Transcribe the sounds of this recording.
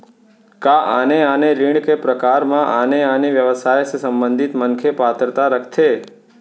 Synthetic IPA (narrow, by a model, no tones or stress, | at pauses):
kaʔaneaneɾiɳɖkepɾəkaɾmãʔaneaneʋjəʋəsajsesəmbənd̪ʱit̪mənkʰepat̪əɾt̪aɾəkʰt̪ʰe